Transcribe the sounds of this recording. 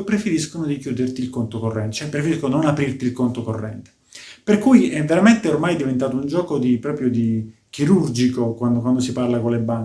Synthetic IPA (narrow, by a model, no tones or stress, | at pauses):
pɾefeɾiskonod̪ikjuːd̪ert̪iːlkont̪okorːɛnt̪t͡ʃɛpːɾefeɾiskononapɾirt̪ilkont̪okorːɛnt̪e̥ | perkujiɛvːeɾament̪eormajd̪ivent̪aːt̪ound͡ʒɔːkod̪ipɾɔːpɾjod̪i | k̟iɾurd͡ʒikokwand̪kwand̪osiparlakolebːaŋ